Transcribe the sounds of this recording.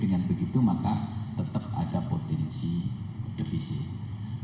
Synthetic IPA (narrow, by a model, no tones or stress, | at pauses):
dəŋanbəɡit̪umakat̪ət̪əp̚a̰dapot̪ɛnsi | d̥əfisḭ